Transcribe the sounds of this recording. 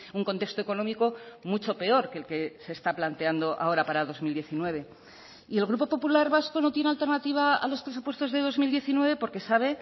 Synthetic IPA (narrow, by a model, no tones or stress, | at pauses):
uŋko̞nt̪e̞kst̪o̞eko̞nõ̞miko̞mut͡ʃo̞pe̞o̞ɾke̞lke̞se̞ːst̪aplant̪e̞and̪o̞ʔa̰o̞ɾapaɾað̞o̞zmild̪jeθinwe̞β̞e̞ | ie̞lɣ̞ɾupo̞po̞pulaɾβasko̞no̞t̪je̞ne̞alt̪e̞ɾnat̪iβ̞aa̰lo̞spɾes̬upwe̞st̪o̞zðe̞ð̞o̞zmild̪je̞θinwe̞β̞e̞po̞ɾke̞saβ̞e̞